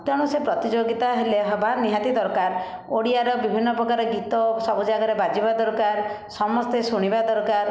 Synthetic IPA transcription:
t̪ɔɽ̃ɔsepɾɔt̪id͡ʒoɡit̪aɦeleɦɔbʱaniɦat̪id̪ɔɾkaɾ | oɽiaɾɔbibʱinːɔpɾɔkaɾɔɡit̪ɔsɔbud͡ʒaɡɔɾebad͡ʒibad̪ɔɾkaɾ | sɔmɔst̪esuɽ̃ibad̪ɔɾkaɾ

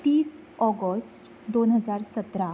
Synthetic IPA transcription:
t̪iːs | ɔɡəsʈ | d̪onɦəd͡zaɾsət̪ɾa

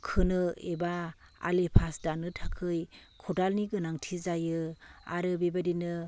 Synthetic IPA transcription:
kʰɯnɯeba | a̰lepʰasdanɯtʰakʰɯjkʰɔdalniɡɯnaŋtʰizajɯa̰ɾɯbebadinɯ

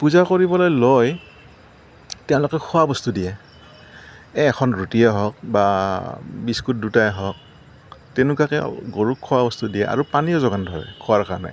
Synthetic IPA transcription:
puzakoɹibɔlɔjloj | tɛʊ̃lʊkɛkʰʊwabɔstudijɛ | ɛːkʰɔnɹutijɔɦɔk̚ba | biskut̚dutajɦɔk̚ | tenʊkakɛɡoɹukʰːɔwabɔstudijɛʔa̰ɹupaniɔzɔɡandʱɔɹɛ̰kʰɔwaɹkaɹɔna̰j

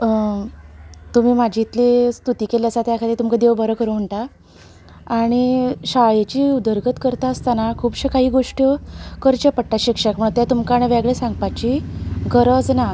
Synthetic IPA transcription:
t̪um̤iːmad͡ʑʱit̪list̪ut̪iːkeljasat̪jakʰad̪it̪umkad̪eʋbəɾəkəɾum̤əɳʈaː | ɽ̃iɕaɭet͡ɕiːud̪əɾɡʱət̪kəɾt̪aəst̪anakʰuːbɕekaɦiːɡoʂʈəkəɾt͡ɕepəʈʈːaɕikʂəkməɳ̃ũt̪jat̪umkaɽ̃eʋeɡɭesãŋɡpat͡ɕiɡəɾəd͡zna

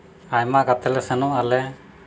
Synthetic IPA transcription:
ajmakat̪ɛlɛsɛnualɛ

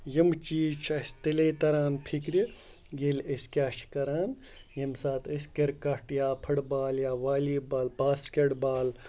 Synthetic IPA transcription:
jimt͡ʃiːt͡ʃʰɐsʲt̪eleːt̪ɐɾaːnpʰikɾi | jeleskʲaːʃkɐɾaːn | jɐmsaːt̪əskʲɐɾkɐʈjaːpʰɐɽbaːljaːʋaːliːbaːlpaːskʲeɽbaːl

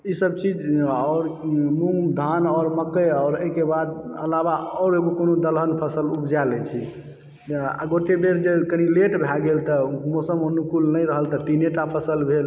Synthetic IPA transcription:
isəb̚t͡ʃid͡ʒɔʊɾmumd̪ʱanɔɾməkəɔɾəɦkebad̪ə̰labaɔːɾeɡukonod̪əlɦənpʰəsəlubd͡ʒalɛt͡ʃʰi | a̰ɡoʈebeɾd͡ʒekənileʈbʱaɡelt̪əmosəmonukulnəjɾəɦəlt̪ət̪ineʈapʰəsəlbʱel

